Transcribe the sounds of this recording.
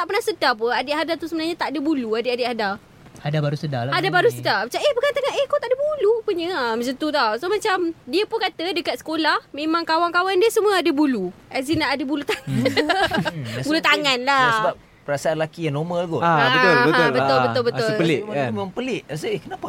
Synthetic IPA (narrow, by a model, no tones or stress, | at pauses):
t̪aʔpərnahsədap̬əadɪʔɦadat̪usəbənaɲat̪aʔdəbuluadɪadɪʔhada | adabaɾusədaadabaɾusədapət͡ʃaʔehbəkant̪əŋaʔehkawt̪aʔdəbulupəɲəaməsənt̪ut̪awsomat͡ʃamdiəpʊnkat̪ədəkat̪̚sə̥kolahmẽmãŋkawaŋkawandiəsəmũəadəbulu | azinaʔadəbulut̪a | bulut̪aŋanlaasəbap̚ | pəɾasaanlakijanomalɡɔbəbət̪ʊlbət̪ʊlbət̪ʊləlɪaimemãmpəlɪʔasəehkənapa